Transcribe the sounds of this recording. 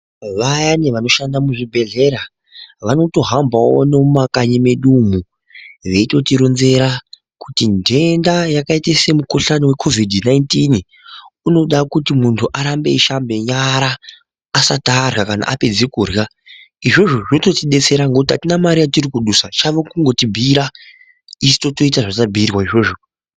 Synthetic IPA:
ʋajaneʋano̞ʃandamuʐibʱe̞ɮe̞ɾa | ʋano̞to̞ɦambʱao̰ne̞umakaɲimeɗumu | ʋe̞ito̞tiɾonze̞ɾa | kutindʱe̞ndajakaitese̞muko̞ɬanowe̞kʰo̞vidʱnaintin | uno̞ɗakutimuntʰuʔaɾambe̞iʃambe̞ɲaɾaː | satarɣakana̰ʔape̞d͡zikurɣa | iʐo̞ʐo̞ʐinoto̞tiɗe̞t͡se̞ɾaŋɡekutiɦatinamaɾijatirikuɗusat͡ʃaʋokuŋɡo̞tibʱiɾa | isi̥to̞to̞itaʐatabʱirwaiʐo̞ʐo̞

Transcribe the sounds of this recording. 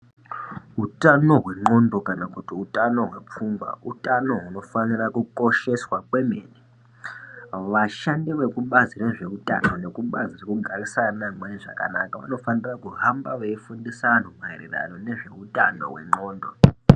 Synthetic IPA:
ɦutano̞ɦwe̞ŋ͡ǃo̞ndo̞kanakutiutano̞ɦwe̞p͡fumɡwa̰ʔutano̞ɦuno̞fanirakuko̞ʃe̞swakwe̞meːni | ʋaʃandiʋe̞kuɓazire̞ʐe̞uta̰none̞kuɓazirekuɡʱarisanamweiʐa̰ka̰nakaʋa̰no̞fanirakuɦambaʋeifundisan̤omweirḭra̰no̞ne̞ʐe̞utʼano̞̰ɦwe̞̰ŋ͡ǃoːndo̞

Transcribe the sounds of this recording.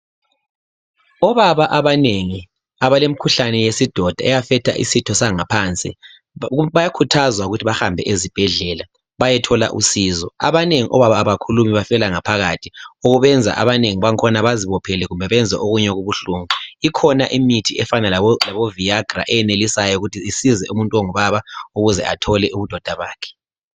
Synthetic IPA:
ɔβaβaʔaβaneŋi | aβalem̩ikʰuɬanɛjesid̥ʱɔd̥ʱa̰ɛjafɛtʰa̰ʔḭsitʰɔsaŋapʰant͡sʼḭ | βajakʰutʰazwauɣutʰiβaxambʱɛʔezib̥ʱɛɮɛla | βajɛtʰɔla̰ʔṵsiːzɔa̰βaneŋiʔɔβaβaːβakʰulumiβafɛlaŋapʰaɣatʰioɣuβɛnd͡zʱa̰ʔa̰βaneŋiβaŋkʰɔnaβaziβɔpʰɛlɛɣumbʱɛβɛnd͡zʱɛ̰ʔoɣuɲɛɣuβuɬuːŋuikʰɔnaʔimitʰiɛfanalalaβoviaɡ̥ra̰ʔɛjɛnelisajɔuɣutʰiisizɛumuntʼwoŋuβaβauɣuzɛ̰atʰɔlɛʔuβud̥ʱɔd̥ʱaβaːkʰɛ̥

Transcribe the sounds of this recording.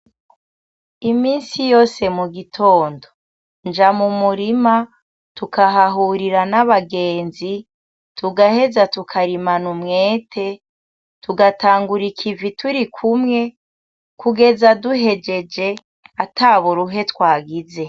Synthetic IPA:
imiːnsijo̞ːse̞muɡitʰo̞ːndo̞ | nd͡ʒamumuɾima | tukʰaɦaɦuɾiɾanaβaɡe̞ːnzi | tuɡahe̞zatukʰaɾimanumŋe̞ːtʰe̞ | tuɡataːŋɡuɾikʰivitʰuɾikʰumŋe̞ | kuɡe̞zaduɦe̞d͡ʒe̞d͡ʒe̞ | ataːβuɾuɦe̞twaːɡize̞

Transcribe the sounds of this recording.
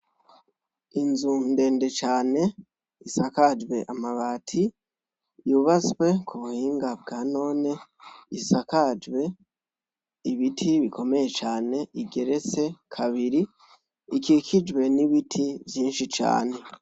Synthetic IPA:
inzunde̞ːnde̞t͡ʃaːne̞ | isakad͡ʒwe̞ʔamaβaːtʰi | juβat͡swe̞kʰuβuhiːŋɡab̚ɡaːno̞ːneisakad͡ʒwe̞ | iβitʰiβiko̞me̞je̞t͡ʃaːne̞iɡe̞ɾe̞t͡se̞kʰaβiɾi | ikikʰid͡ʒwe̞niβitʰivjiːnʃit͡ʃa̰ːne̞

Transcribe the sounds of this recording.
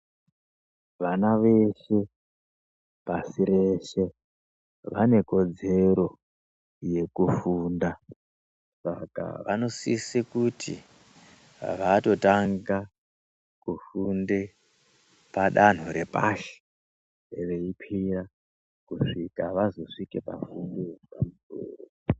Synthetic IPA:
ʋanaʋe̞ʃe̞ | pasiɾe̞ʃe̞ | ʋane̞ko̞d͡ze̞ɾo̞ | je̞kufuːnda | sa̰ka̰ʋa̰no̞sisikutʰḭ | ʋato̞taŋɡa | kufunde | paɗan̤uɾe̞pa̰ʃe̥ | ʋe̞ipʰira | kuʂikaʋazo̞ʂikepa̰fundipamutṵːro

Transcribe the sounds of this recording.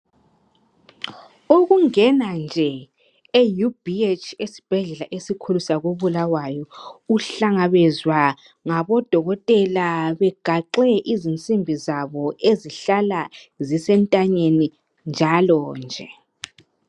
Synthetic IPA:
oɣuŋɛnand͡ʒʱɛ | ejub̥ʱiet͡ʃʰesi̥b̥ʱɛɮɛlaʔesikʰulusaɣoβulawajɔuɬaŋaβɛzwa | ŋaβɔd̥ʱɔɣɔtʼɛlaβɛɡ̥ʱaǁɛʔizint͡sʼimbʱizaβɔʔeziɬalazisɛntʼaɲeni | nd͡ʒʱalɔːnd͡ʒʱɛ

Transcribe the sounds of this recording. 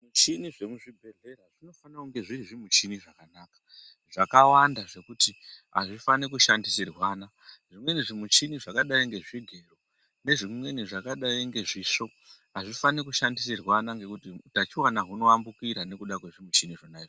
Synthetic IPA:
mut͡ʃiniʐe̞muʐibʱe̞ɮe̞ɾaʐino̞fanauŋɡe̞ʐiɾiʐimut͡ʃiniʐakanaːkḁ | ʐ̥akawandaʐe̞kutiɦa̰ʐifanekuʃandisirwaːna | ʐimwe̞niʐimut͡ʃiniʐakaɗaiŋɡe̞ʐiɡʱe̞ro | ne̞ʐimwe̞niʐakaɗaiŋɡe̞ʐiso̞ | ɦaʐifanekuʃandis̬irwanaŋɡe̞kutitat͡ʃiwanaɦuno̞ambukiɾane̞kuɗakwe̞ʐimut͡ʃiniʐonaiʐ

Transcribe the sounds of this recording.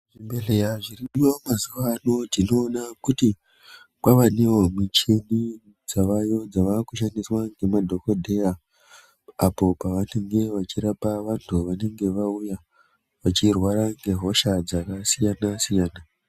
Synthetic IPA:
ʐimbeɮejaʐiriɗiwamazuʋano̞d͡zino̞ːnakuti | kwaʋaneomit͡ʃe̞ni | d͡zaʋajo̞d͡zaʋakuʃandiswaŋɡe̞madʱo̞ko̞dʱe̞ja | apo̞paʋane̞ŋɡe̞ʋat͡ʃiɾapaʋantʰuʋane̞ŋɡe̞ʋauja | ʋat͡ʃirwaɾaŋɡe̞ɦo̞ʃad͡zakasijanasijaːna

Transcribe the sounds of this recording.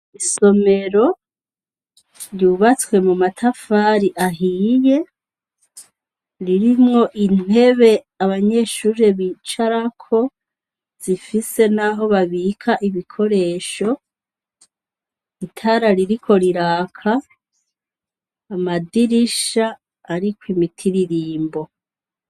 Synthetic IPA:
iso̞me̞ɾo̞ | ɾjuːβat͡swe̞mumatʰafaːɾiʔaɦiːje̞ | ɾiɾimŋo̞ʔin̥e̞βe̞ | aβaɲe̞ʃuːɾe̞βiːt͡ʃaɾakʰo̞ | z̥ifise̞naɦo̞βaβikʰaʔiβikʰo̞ɾe̞ːʃo̞ | itʰaːɾaɾiɾikʰo̞ɾiɾaːkʰa | madiɾiʃaː | ɾikwimitʰiɾiɾiːmbo̞

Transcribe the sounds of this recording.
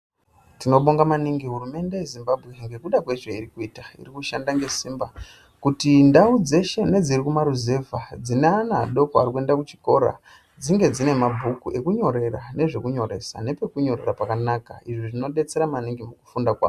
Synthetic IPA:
tino̞ɓoŋɡamaniŋɡiɦurume̞nde̞jezimbabʱɣe̞ŋɡe̞kuɗakweʐeiɾikuitaḭrikuʃandaŋɡe̞siːmba | kutindaud͡ze̞ʃe̞ne̞d͡zirikumaɾuze̞vʱad͡zineanaa̰ɗo̞koa̰ɾikue̞ndakut͡ʃi̥ko̞ɾa̰ | d͡ziŋɡe̞d͡zine̞mabʱukue̞kuɲo̞ɾe̞ra̰ne̞ʐe̞kuɲo̞ɾe̞̰sa̰ne̞pe̞kuɲo̞re̞rapakanaka̰iʐiʐino̞ɗe̞t͡se̞ɾamaniŋɡimuku̥fundakwa̰ːo

